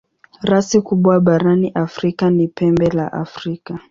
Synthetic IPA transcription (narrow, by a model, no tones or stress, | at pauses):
ɾasikuɓwaɓaɾaniʔafɾikanipɛmbɛla̰ʔa̰fɾika